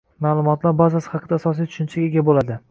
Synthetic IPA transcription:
maːlˠʊmɒt̪laɾbazasɪ̥hɑqʰɨd̪aːsɒs̬ijt̪ʰʊ̥ʃɪnt͡ʃʰaɡʲeɡʲabolad̪ɪ

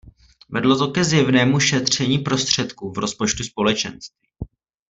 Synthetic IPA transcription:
vɛdlo̞t̪o̞kɛzjɛvnɛːmuʃɛt̪r̝̥ɛɲiːpɾo̞st̪r̝̥ɛt̪kuːvɾo̞spo̞t͡ʃt̪uspo̞lɛt͡ʃɛ̰nst̪viː

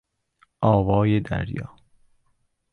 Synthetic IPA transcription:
ʔɒːvɒːjed̪æ̰ɾjɒ̰ː

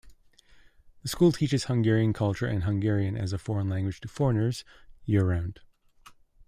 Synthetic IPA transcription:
ðəskulˠtʰit͡ʃɨz̥hʌ̃ŋɡɛɹiɨ̃nkʰʌlˠt͡ʃə˞ʔɨ̃nɦʌ̃ŋɡɛɹiɨ̃nɨ̰zəfɔɹə̃nlæ̃ŋɡwɨ̥tʰɨfɔɹnə˞z̥jɪɹə˞ãʊ̃nd̥

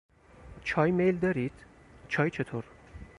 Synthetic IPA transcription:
t͡ʃʰɒːjme̞jld̪ɒːɾid̪̥ | t͡ʃʰɒːjt͡ʃʰet̪ʰoɾ

